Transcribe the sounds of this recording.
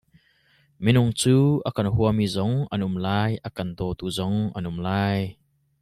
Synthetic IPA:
minʊŋt͡suːʔɐkɐnɦuɐmizɔŋʔɐnʔʊmlaːjʔɐkɐnd̪ɔt̪uzɔŋʔɐnʔʊmlaːj

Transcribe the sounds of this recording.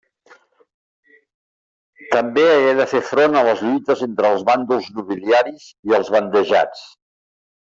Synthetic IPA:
t̪əmbeəɣɛðəfefɾonələzʎujt̪əzent̪ɾəːlˠzβand̪ulˠznuβiliaɾiz̥iəlˠzβənd̪əʒa̰t͡s

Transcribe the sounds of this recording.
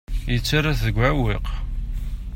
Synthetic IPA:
jət͡sːaɾaθəɡʷawiq

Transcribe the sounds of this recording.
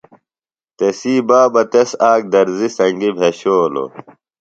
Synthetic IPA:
t̪esiːbaːbɐt̪esaːk̚d̪ɐɾzisɐŋɡibʱeɕoːlo̰

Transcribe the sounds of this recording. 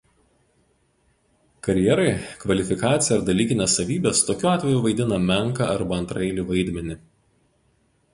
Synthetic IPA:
kɐɾʲjɛɾɐɪkʋɐlʲɪfʲɪkɑːt̪sʲɪjɛɐɾd̪ɐlʲiːkʲɪnʲesːɐʋʲiːbʲest̪oːkʲuːɑːt̪ʲʋʲɛjuːʋɐɪd̪ʲɪnɐmʲɛŋˑkɐ̰ʔɐɾbɐɐnt̪ɾɐɪlʲiʋɐɪd̪ʲmʲɛnʲɪ

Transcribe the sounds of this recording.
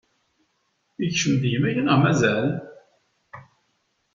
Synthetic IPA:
içʃəmðjəmæjænʁmæzæl

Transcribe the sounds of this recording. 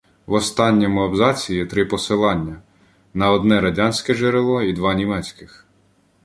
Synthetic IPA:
wɔst̪ɑnʲːɔmʊɐbzɑt͡sʲijit̪ɾɪpɔsɪlˠɑnʲːɐ | nɐɔd̪nɛɾɐdʲɑnʲsʲkɛʒeɾelˠɔid̪ʋɑnʲimɛt͡sʲkɪx

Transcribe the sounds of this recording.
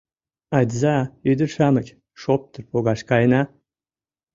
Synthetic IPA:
ɑd̪ʲzɑyd̪ərʃɑməkʲ | ʃop̚t̪ərpoɣɑʃkɑjnɑ

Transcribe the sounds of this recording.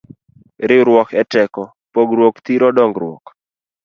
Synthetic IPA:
ɾɪɾwɔkʰɛtɛkɔ | poɡɾwokt̪iɾɔdɔŋɡɾwɔ̰k

